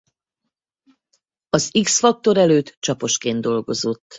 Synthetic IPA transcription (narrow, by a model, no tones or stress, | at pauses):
ɒziksfɒk̚t̪o̞ɾɛløːt̪t͡ʃɒpo̞ʃkeːnd̪d̪o̞lɡo̞zo̞t̪ː